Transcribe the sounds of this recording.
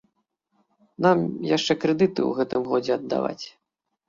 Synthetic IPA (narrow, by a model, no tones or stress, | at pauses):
namjaʂt͡ʂɛkɾɛd̪ɨt̪ɨ̰uɣɛt̪ɨmɣɔd͡zʲɛɐd̪ːa̰va̰t͡sʲ